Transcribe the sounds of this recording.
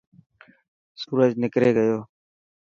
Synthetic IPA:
suːɾəd͡ʒnɪkɾeːɡəjoː

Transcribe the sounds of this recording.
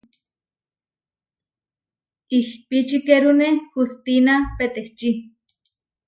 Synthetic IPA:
ihpit͡ʃikeɾunehust̪inapet̪eht͡ʃi

